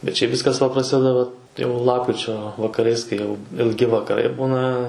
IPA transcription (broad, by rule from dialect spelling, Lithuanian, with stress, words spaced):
bʲɛt ˈʃʲɛɪp ˈʋʲɪskɐs ʋɐ prɐˈsʲɪdʲɛdɐ ʋɐ jɛʊ ˈlˠɑːpkrʲɪt͡ʃʲoː ʋɐkɐˈrɐɪs kɐɪ ˈjɛʊ ɪlʲˈɡʲɪ ʋɐkɐˈrɐɪ ˈbuːnɐ